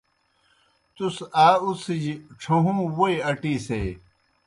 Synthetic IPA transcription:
t̪usaːusid͡ʑiʈ͡ʂʰoɦumwojɐʈiːsej

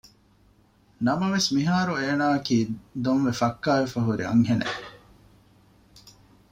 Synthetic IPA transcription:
nɐmɐʋesmiɦaːɾueːnaːɐkiːd̪onʋefɐkːaːʋefɐɦuɾḭɐ̰ŋɦenḛ

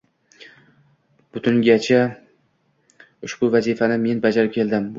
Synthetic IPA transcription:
b̥ʊt̪ʰʊŋɡʲat͡ʃʰa | ʊʃbʊvazifanɪme̞nbad͡ʒaɾɪp̚kʲʰe̞ld̪ɪm

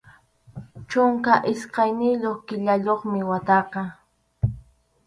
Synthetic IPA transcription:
t͡ʃʊŋkaʔɪsqɑjnɪʎoχkɪʎaʎoχmɪwat̪ɑqɑ

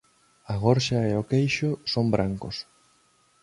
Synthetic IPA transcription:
aɣ̞oɾʃaeokejʃʊsombɾʔaŋkos

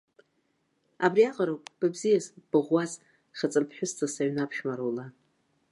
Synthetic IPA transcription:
abriaqʼaɾowpʼb̥abzijazb̥ɨʁʷːaz | χʲat͡sʼɨmpʰħʷᶣʊstʰasaɥnapʰʃmaɾowla

